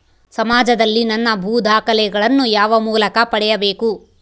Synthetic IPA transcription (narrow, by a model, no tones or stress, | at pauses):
sɐmaːd͡ʒɐd̪ɐlːinɐnːɐbʱuːd̪ʱaːkɐlɛɡɐɭɐnːujaːʋɐmuːlɐkɐpɐɽɛjɐbeːku